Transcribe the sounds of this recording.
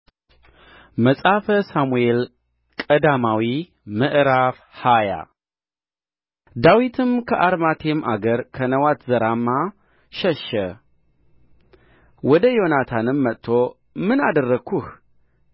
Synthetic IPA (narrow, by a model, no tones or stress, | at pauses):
məsʼafəsamuel | kʼəd̪amawi | mɨʔɾaf | haja̰ | d̪awit̪ʰɨmkʰəʔaɾmat̪ʰemʔaɡəɾkʰənəwat̪zəɾamːa | ʃɛʃə | wɔd̪əjo̞nat̪ʰanɨmːət̪t̪ʰːo̞ | mɨnad̪ərːəkʰːuh